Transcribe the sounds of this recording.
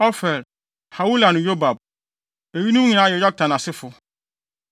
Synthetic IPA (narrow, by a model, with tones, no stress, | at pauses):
ɔ˦fɛ˨l | ha˨wu˦la˨nʊ̃˨jo˦ba˨b̚ | e˨ji˦nũ˦ɲĩ˨nã˦jɛ˨˦jɔ˦k̚tʰã˨na˨sɪ˦fʊ˨